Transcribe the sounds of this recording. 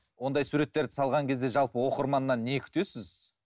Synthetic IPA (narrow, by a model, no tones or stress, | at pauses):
wo̞nd̪ɑjsuɾe̞t̪ːe̞ɾd̪ɪsɑlˠʁɑŋkʲe̞zd̪e̞ʒɑlˠpəwo̞qəɾmɑnːɑnːe̞kʲʰʏ̥t̪e̞sɪz